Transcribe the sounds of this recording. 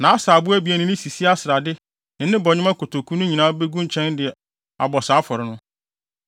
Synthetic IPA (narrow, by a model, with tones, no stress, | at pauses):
nã˨a˦saː˨bʊ˦æ˦bi˨æ˨nɪ̃˨nɪ̃˦si˨si˦a˦sɪ˨ɾa˨dɪ˦ | nɪ̃˨nɪ̃˦bɔ˨ɲɪ̃˦mã˦kʰo˨tʰo˨kʰu˦nʊ̃˦ɲĩ˨nãː˦be˦ɡũ˦ɲ˦t͡ɕʰɛ̃˦ndɪ˨ɛ˨ | a̰˨bɔ˨saː˨˦fɔ˨ɾɪ˨nʊ̃˦